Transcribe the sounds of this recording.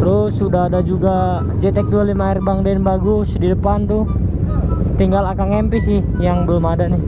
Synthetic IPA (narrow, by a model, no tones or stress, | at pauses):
t̪əɾʊsudaɦadad͡ʒuɡa | d͡ʒet̪ɛk̚dualimairbaŋdɛnbaɡʊsdidəpant̪ʊ | t̪iŋɡalakaŋɛmpisɪhjaŋbəlʊmadaʔnɪ